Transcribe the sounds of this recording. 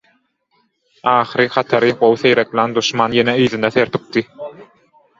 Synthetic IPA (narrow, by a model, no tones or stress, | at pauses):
ɑːχɯɾɯχɑt̪ʰɑɾɯɢowθejɾeklæːnd̪uʃmɑːnjeneiːðind̪eθeɾt̪ʰu̥p̚t̪i